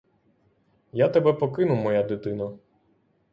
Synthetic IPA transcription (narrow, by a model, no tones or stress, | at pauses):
jat̪ɛbɛpɔkɪnʊmɔjad̪ɪt̪ɪnɐ